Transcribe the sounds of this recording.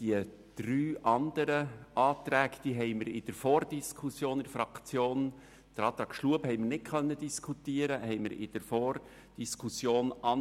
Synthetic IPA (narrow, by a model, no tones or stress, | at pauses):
d̥iə | d̪̥ɾyːʔɑnd̥̪əɾəʔɑːt̪ɾɛːkd̥iːɦɛɪməɾɪd̥əɾfɔːɾd̥iskʰusjoːnɪdəfɾɑkt͡sjoːn | d̪̥əɾɑːt̪ɾɑːkʃluəbhɛɪmərnɪt̚kʰœnːəd̥iskʰut̪iəɾəhɛɪməɾɪ̰d̥əɾfɔːr | d̥iskʰusjoːnɑ